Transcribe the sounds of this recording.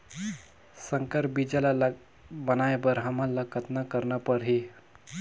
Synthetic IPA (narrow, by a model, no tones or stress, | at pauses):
səŋkəɾbid͡ʒalala | bənajbəɾɦəmalːakət̪nakəɾnapəɾɦi